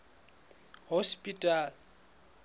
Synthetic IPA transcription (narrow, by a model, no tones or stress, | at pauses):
hospʼitʼal